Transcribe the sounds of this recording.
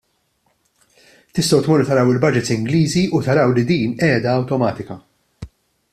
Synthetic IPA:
t̪ɪst̪ɐwt̪muɾt̪ɐɾɐwɪlbɐd͡ʒɪt̪sɪŋɡliːziut̪ɐɾɐwlid̪iːnɛːd̪ɐːwt̪ɔmɐːt̪ɪkɐ

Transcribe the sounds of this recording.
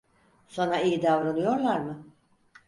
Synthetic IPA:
so̞nɾaijid̪avɾanɯjo̞ɾlˠaɾmɯ

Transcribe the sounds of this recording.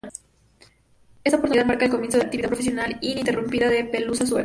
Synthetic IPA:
est̪aopoɾt̪uniðaðmaɾkaelko̞mjensoeak̚t̪iβiapɾofes̬jo̞nalint̪erumpiðaðepelusaswe

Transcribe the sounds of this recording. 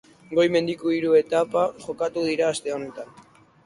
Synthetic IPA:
ɡo̞jme̞nd̪ikuiɾue̞t̪apaʝo̞kat̪uð̞iɾaːst̪e̞o̞ne̞t̪an

